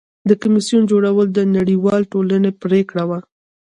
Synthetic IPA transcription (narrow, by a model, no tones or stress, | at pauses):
d̪əkʊmisjund͡ʒoɽawəld̪ənaɽiwɑlʈolanepɾekɽawa